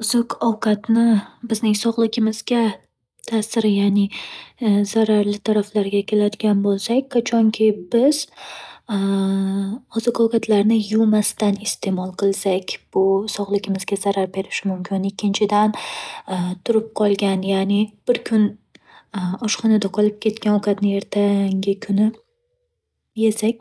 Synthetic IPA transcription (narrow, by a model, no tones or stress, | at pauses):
ʊzɪkʰɒwkʰat̪nɪbɪznɪŋsɒʁlˠɪɡʲɪmɪzɡʲa | t̪ʰasɪɾɪjanɪ | z̥aɾaɾlɪt̪ʰaɾaflaɾɡʲakʲʰe̞lad̪ɪɡʲanbolˠsakʲkʰːat͡ʃʰɒŋkʲʰɪbɪz̥ | ʊzɪkɒwkʰat̪ʰlaɾnɪjʊlmast̪anɪst̪ʰe̞mɒlˠqʰɨlˠsakʲb̥ʊsɒʁlˠɪɡʲɪmɪzɡʲazaɾaɾbe̞ɾɪʃmʊmkʲɪnɪkʲːɪnt͡ʃʰɪd̪an | t̪ʰʊɾɪp̚qʰɒlˠɡʲanjanɪb̥ɪɾkʰʊn | ɒʃqɒnad̪aqʰɒlˠɪp̚kʲʰe̞t̪̚kʲanokʰʲat̪nɪe̞ɾt̪ʰaŋɡʲɪkʰʊnɪ | je̞sak̚ʲ